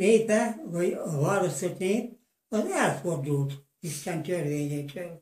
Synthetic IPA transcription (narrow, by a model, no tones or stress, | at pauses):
neːpɛʋɒjɒvɒːɾost̪ot̪neːp̚ | ɒzɛlfo̞rd̪uːlt̪ | iʃt̪ɛnt̪ørʋeːɲeːt̪ʰøːl